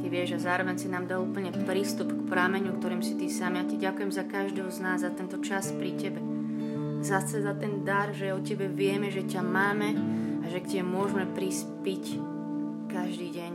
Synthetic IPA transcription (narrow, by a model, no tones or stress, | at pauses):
t̪iʋɪɛʒazaːɾɔʋɛɲsinaːmd̪aluːpl̩ɲɛpɾiːst̪upkpɾaːmɛɲukt̪ɔɾiːmsit̪isamiacaɟakujɛmzakaʒd̪ɛɦɔznaːzːat̪ɛnt̪ɔt͡ʃaspɾicɛbɛ | zasɛzat̪ɛnd̪aɾʒɛɔcɛbɛʋɪɛmɛʒɛcamaːmɛaʒɛkcɛbɛmʊɔʒmɛpɾiːs | pic | kaʒd̪iːɟɛɲ